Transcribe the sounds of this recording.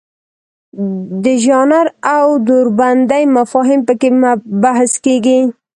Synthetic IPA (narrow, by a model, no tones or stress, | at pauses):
d̪əʒɑnaɾawd̪oɾband̪ajmafɑɦɪmpəkebahskeɡi